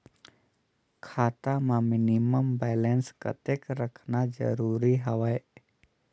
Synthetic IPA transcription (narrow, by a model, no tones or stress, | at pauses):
kʰaːt̪amãmɪnɪməmbeːlenskə̰t̪ekɾəkʰnad͡ʒə̰ɾuːɾiɦɐʋae